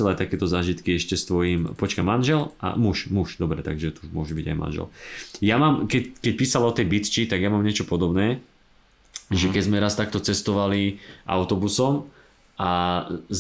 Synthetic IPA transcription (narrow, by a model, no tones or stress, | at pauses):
ɛlat̪akɛːt̪ɔzaːʒit̪kiɛʃcɛst̪ʋɔjimpɔt͡ʃkamanʒɛlʔa̰muʃmuʃd̪ɔbɾɛt̪a̰ɡʒɛt̪umʊɔʒubiɟa̰jma̰nʒɛ̰ljamaːmkɛkɛc̚piːsalɔt̪ɛjbit̪t͡ʃit̪aɡjamamɲɪɛt͡ʃɔpɔd̪ɔbnɛː | ʒɛkɛzmɛɾast̪ak̚t̪ɔt͡sɛst̪ɔʋaliʔa̰ʊt̪ɔbusɔm | ʔaz